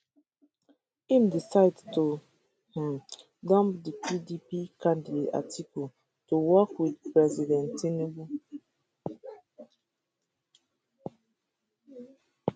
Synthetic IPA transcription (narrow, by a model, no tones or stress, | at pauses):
ĩmdisaɪdto | h̩ | dɔ̃mpdipidipikãndideta̰tʰikɔ | tuwɔkwidpɹɛzidɛ̃ntʰinebu